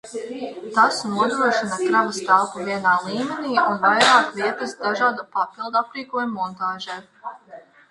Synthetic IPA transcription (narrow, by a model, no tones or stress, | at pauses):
t̪asnuɔd̪ɾuɔʃinɐkɾavɐst̪alˠpuviɛnaːlˠiːmɛniːunvajɾaːkviɛt̪ɐsd̪aʒɑːd̪apapilˠd̪uapɾiːkuɔjmːɔnt̪aːʒɛː